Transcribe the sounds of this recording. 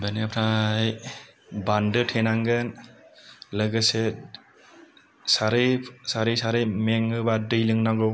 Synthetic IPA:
baniapʰɾaj | bandɯtʰenaŋɡɯn | lɯɡɯse | saɾɯjsaɾɯjsaɾɯjmeŋɯbadɯjlɯŋnaɡɯw

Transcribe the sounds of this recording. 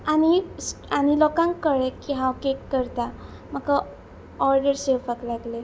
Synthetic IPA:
añisañilɔkãŋkːəɭekiɦãwkekːəɾt̪a | m̤əka | ɔɾɖəɾsefəkləɡle

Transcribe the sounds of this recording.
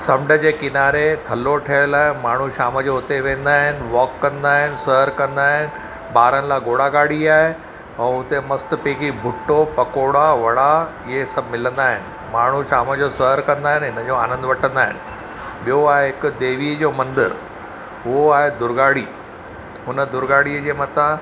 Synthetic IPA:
sɐmɖʱəd͡ʑeːkɪnaːɾet̪ʰɐloʈʰeəɽlaːɦemaːɳ̤uʃaːməd͡ʑoʊt̪eʋẽːn̆d̪aːɦɪnɪ̆ʋɔːkːɐ̃nd̪aːɦɪnɪ̆səɦəɾkɐ̃nd̪aːɦɪnɪ̆ | ɓaːɾənɪ̆laːɡoːɽaɡaːɽiaːɦe | ɛ̃ːʊt̪emɐst̪peːkibʱʊʈːopɐkoːɽaʋɐɽ̤a | ɪɦesɐbʱmɪlə̃nd̪aːɦɪnɪ̆ | maːɳ̤uʃaːməd͡ʑosɐɦəɾkɐ̃nd̪aːɦɪnɦɪnəd͡ʑoaːnə̃nd̪ʋɐʈʰə̃nd̪aːɦɪnɪ̆ | ɓijoaːɦeɦɪkʊd̪eːʋiːəd͡ʑoːmɐ̃nd̪əɾ | ɦʊɦoaːɦed̪ʊɾɡaːɽ̤iː | ɦʊnəd̪ʊɾɡaːɽ̤iəd͡ʑeːmɐt̪ã

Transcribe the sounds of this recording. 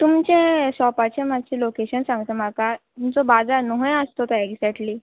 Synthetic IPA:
t̪umt͡ɕẽɕɔpat͡ɕẽmat͡ɕelokeɕənsãŋɡt̪əmakat̪umt͡sɔbad͡zanoɦj̃əst̪ot̪eɡd͡zɛʈli

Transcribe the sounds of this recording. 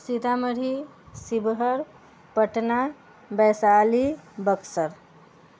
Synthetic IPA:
sit̪aməɾi | sibɦəɾ | pəʈna | bɛsalibəksəɾ

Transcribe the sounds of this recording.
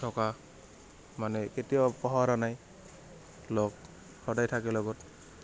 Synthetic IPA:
tʰɔka | manɛketijɔpɔɦaɾanaj | lok̚ | xɔdajtʰakɛlɔɡɔt

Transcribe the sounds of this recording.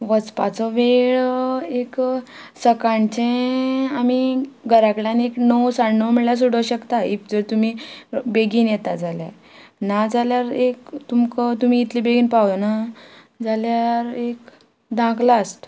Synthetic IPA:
ʋət͡spat͡sɔʋeɭeksəkãɳt͡ɕẽamiɡʱəɾakɭjaneknɔwsaɽnɔməɭjas̬uɽəɕəkt̪aḭk̚d͡zəɾt̪um̤ibeɡiːnjɛt̪ad͡zalja̰ | nad͡zaljaɾekt̪umkət̪um̤iːt̪libeɡiːnpawjona | d͡zaljaɾek | d̪ʱãklaːst̪

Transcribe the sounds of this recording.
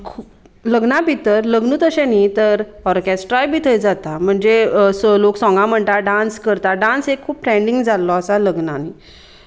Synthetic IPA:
kʰuːp | ləɡnabʱit̪əɾləɡnuːt̪əɕẽnit̪əɾ | ɔɾkɛsʈɾajbʱit̪ʰəjd͡zat̪am̤əɳd͡zesloksɔ̃ŋɡãm̤əɳʈ̪aɖãnskəɾt̪aɖãnsekʰːuːp̚ʈɾɛ̃ɳɖiŋɡd͡zalːɔəsaləɡnani

